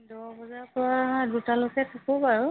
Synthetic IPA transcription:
dɔɹbɔzapɔɹadutalokɛtʰɔkobaɹʊ

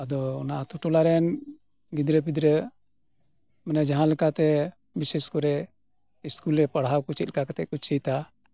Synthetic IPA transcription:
ad̪ɔɔnaʔt̪uʈulaɾɛn | ɡid̪ɾəbid̪ɾə | manɛd͡ʒaɦãlɛkat̪ɛ | biseskɔɾɛ | iskulɾɛpəɽ̤awkut͡ʃit̪̚kakat̪ɛʔ̚kut͡ʃʰijt̪a

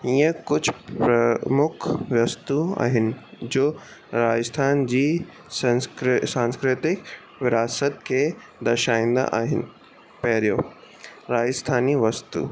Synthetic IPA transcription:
iːə̃kʊd͡ʑʱpɾɐmʊkʰʋjɐst̪ua̰ːɦɪnɪ̆d͡ʑoː | ɾaːd͡ʑəst̪ʰaːnd͡ʑiː | sãksãːnskɾɪt̪ɪk | ʋɪɾaːsət̪kʰeː | d̪ɐʃaːĩːn̆d̪a̰ʔaːɦɪnɪ̆ | pɐɦɪɾijo̰ | ɾaːd͡ʑəst̪ʰaːniʋɐst̪ṵː

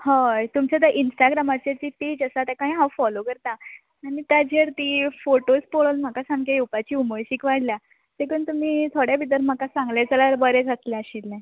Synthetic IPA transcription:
hãt̪umt͡ɕat̪̬aʔinsʈaɡɾamat͡ɕet̪ipid͡ʑəsat̪jakaĩɦãwfɔlokəɾt̪a | anit̪jad͡ʑeɾt̪ifoʈospoɭonm̤akasãŋɡejupat͡ɕiːuməjɕiːkʋaɽlja | t̪ekənt̪um̤iːt̪ʰoɽjabid̪əɾm̤akasãŋɡled͡zʱalaɾbəɾɛt͡saslɛəɕilːɛ̃

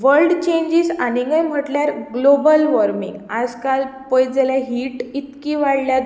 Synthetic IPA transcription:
ʋəɾlɖt͡ɕẽɲd͡ʑiːsañiŋɡəjm̤əʈljaɾɡlobəlʋəɾmḭŋɡad͡zkalpəjd͡zaljaɦiːʈit̪kiʋaɽlja

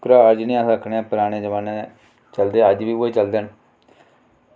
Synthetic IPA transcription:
kɾaːəɾd͡ʒnĩːaːsəkʰneːpəɾaːɽ̃ẽːd͡ʒəʋaːnẽ | t͡ʃəld̪eːəd͡ʒʋiːoeːt͡ʃəld̪en

